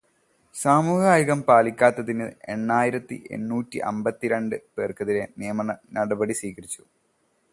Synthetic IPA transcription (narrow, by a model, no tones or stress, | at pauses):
saːmuːɦaːjuɣɐmpaːlikʲːaːt̪ːɐðinɨe̞̰ɳːaːjiɾɐt̪ːḭʔḛnːuːtːiʔɐ̰mbɐt̪ːiɾeɳɖɨpe̞ːrkɐðiɾe̞nijɐmɐnɐnɐɽɐbɐɽisiːɣɐɾit͡ɕːu